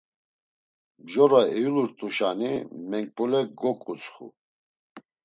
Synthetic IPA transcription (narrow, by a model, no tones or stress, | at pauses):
bʒɔɾaɛjuluɾt̪ʼuʃanimɛŋk̚pʼulɛɡɔkʼut͡sʼχṵ